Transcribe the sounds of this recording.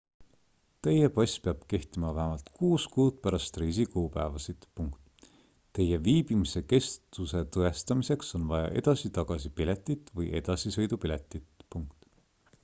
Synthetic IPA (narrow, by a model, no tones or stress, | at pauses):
t̪e̞jepɑsʲpeɑb̥ke̞ht̪imɑvæɦemɑlt̪kuːskuːd̪̥̚pæɾɑst̪riːs̬ikuːpæevɑsid̪̥puŋkt̪ | t̪ːe̞je̞viːb̥imise̞ke̞st̪use̞t̪ɤe̞st̪ɑmise̞kso̞nvɑjɑ̰ʔe̞̰d̪̥ɑsit̪ɑɡ̥ɑsipile̞t̪ːˑit̪ːˑvɤjʔe̞d̪̥ɑsisɤjd̪upilet̪ːˑit̪puŋkt̪